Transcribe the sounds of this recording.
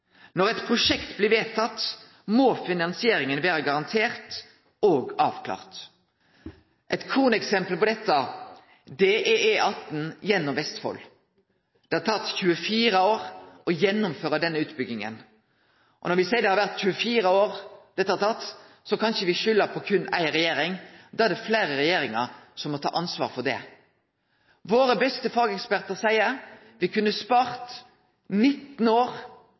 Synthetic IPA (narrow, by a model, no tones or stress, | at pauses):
nɔʁɛt̪pʰɾʊʂɛkt̪blɪʋeːt̪ʰɑt̪ː | moːfɪnɑnsɪeːɾɪŋənʋeːɾəɡɑʁɑnt̪ʰeːʁt̪ | oːɡɑːʋkʰlɑ̰ːʁt̪ | ʔɛt̪kʰuːnɛksɛmpəlpɔd̪ɛt̪ːə | d̪eːʔeʔeʔɑt̪n̩jɛnːʊmʋɛst̪fɔ̰l | d̪̥ɛhɑt̪ʰɑt̪ːçʉːəfiːɾəoːʁɔjɛnːʊmføːʁəd̪ɛnːəʉːt̪bʏɡnɪŋə̰n | ʔɔnɔɾʋɪsæɪd̪ɛhɑɾʋæʁt̪çʉːəfiːɾəoːɾd̪̥ɛt̪ːəhɑɾt̪ʰɑt̪ː | sɔkʰɑnʃəʋɪʃʏlːəɾpʰɔkʰʉnæ̰ɪɾɛjeːɾɪŋd̪ɑːæd̪ɛfleːɾəɾɛjeːɾɪŋə̰ɾsɔmːɔt̪ʰɑ̰ːʔɑnsʋɑ̰ːɾfɔʁd̪ɛ̰ | ʋoːɾəbɛst̪əfɑːɡɛkspæʁt̪əʁsæɪə | ʋɪkʰʉnːəspɑːʁt̪ | nɪt̪ːn̩oːʁ